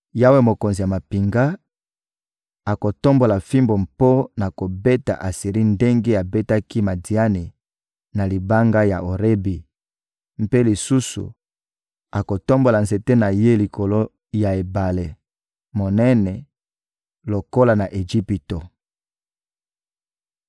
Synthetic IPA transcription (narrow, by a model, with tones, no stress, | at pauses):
ja˦we˦mo˨ko˨nzi˨ja˨ma˨pi˨ŋɡa˦ | a˨ko˨to˦mbo˨la˨fi˦mbo˨mpo˦na˨ko˨be˦ta̰˨ʔa˨si˨ʁi˦nde˦ŋɡe˦a˨be˦ta˦ki˦ma˨di˨a˦ni˨ | na˨li˨ba˦ŋɡa˦ja̰˨o˨ʁe˦bi˨ | m̩˦pe˦li˨su˦sṵ˨ | a˨ko˨to˦mbo˨la˨nze˨te˦na˨je˦li˨ko˨lo˦ | ja˨e˨ba˨le˨ | mo˨nɛ˦nɛ˨ | lo˨ko˦la˨na˨ʔe˨ʒi˦pi˨to˨